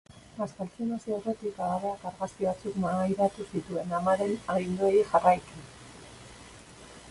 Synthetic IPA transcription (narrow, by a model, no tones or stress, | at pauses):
askalt͡sionasiore̞t̪ikalaβ̞e̞akaɾɣaskiβat͡sukmamajɾat̪usit̪ue̞namaɾe̞naɣind̪oejiʝarajt̪u